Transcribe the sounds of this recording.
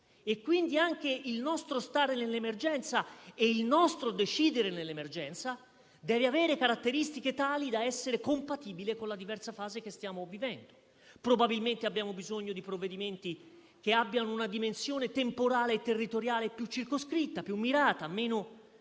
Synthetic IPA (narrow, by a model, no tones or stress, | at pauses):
ekːwind̪iaŋkeilnɔst̪ɾost̪aːɾenelːemerd͡ʒɛnt̪saeilnɔst̪ɾod̪et͡ʃiːd̪eɾenelːemerd͡ʒɛnt̪sa | d̪ɛːveavɛːɾekaɾat̪ːeɾist̪iket̪aːlid̪aɛsːeɾekompat̪iːbilekonlad̪ivɛrsafaːzek̟est̪jaːmovivɛnd̪o̥ | pɾobabilment̪eabːjaːmobizoɲːod̪ipɾovːed̪iment̪i | keabːjanounad̪imensjoːnet̪empoɾaːleːt̪erːit̪oɾjaːlepjut͡ʃːirkoskɾit̪ːapjumːiɾaːt̪ameːno